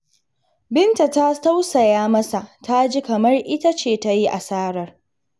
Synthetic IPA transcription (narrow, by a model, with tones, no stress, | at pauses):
bɪ˦nta˨ta˦ta˦wsɐ˨jaː˦mɐ˦sa˨ta˦d͡ʒi˦kɐ˨mɐ˦rʔɪ˦ta˦t͡ʃeː˦˨ta˦ji˦ʔa˨saː˦ɽɐ˦r